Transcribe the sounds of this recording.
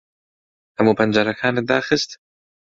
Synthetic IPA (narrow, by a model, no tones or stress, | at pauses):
hɐmuːpʰɐnd͡ʒɐɾɐkʰaːnɨd̪aːxɨst̪